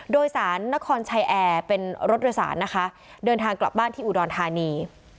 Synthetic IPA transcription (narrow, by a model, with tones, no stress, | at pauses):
doː˧jsaː˩˦nːa˦˥kʰɔː˧nt͡ɕʰa˧jʔɛː˧pe˧nɾo˦˥t̪̚doː˧jsa̰ː˩˦nːa˦˥kʰa˦˥ | dɤː˧nt̪ʰaː˧ŋkla˨˩p̚baː˥˩nt̪ʰiː˥ʔu˨˩dɔː˧nt̪ʰaː˧niː˧